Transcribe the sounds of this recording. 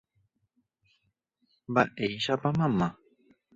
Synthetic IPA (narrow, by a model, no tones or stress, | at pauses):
baʔejʃapamãmːa